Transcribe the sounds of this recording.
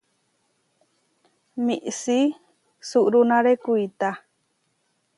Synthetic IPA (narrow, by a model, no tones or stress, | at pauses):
miʔsi | suʔɾunãɾekuit̪a